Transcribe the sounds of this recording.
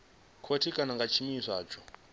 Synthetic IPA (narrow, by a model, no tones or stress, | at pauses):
kʰotʰikʼanaŋɡat͡ʃʰimisʷa̰ːt͡ʃʰɔ